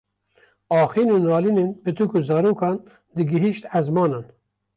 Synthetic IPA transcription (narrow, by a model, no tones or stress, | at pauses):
ɑːxiːnoːnɑːliːnenbɨt̪ɨkuzɑːɾoːkɑːn | d̪ɨɡɨɦiʃt̪æzmɑːnɑːn